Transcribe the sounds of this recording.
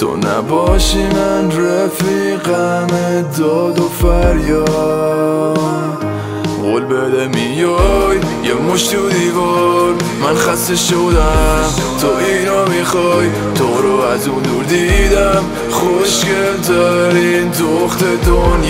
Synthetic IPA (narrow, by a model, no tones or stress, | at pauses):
t̪ʰo̰na̰bɔʃimanɾafiqaned̪ɔd̪ofaɾjɔ | ɣolbɛd̪ɛmijɔjːɛmoʃt̪ud̪ivɔɾ | manχast̪eʃod̪amt̪ʰɔiɾɔmiχɔj | t̪ʰɔɾɔazund̪uɾd̪id̪am | χoʃkezaɾind̪oχt̪ed̪on